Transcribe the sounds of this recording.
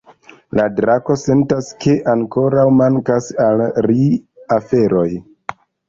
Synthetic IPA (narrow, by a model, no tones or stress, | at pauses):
ladɾako̞se̞ntaskʰe̞ʔaŋko̞ɾawmaŋkasalɾiafe̞ɾo̞j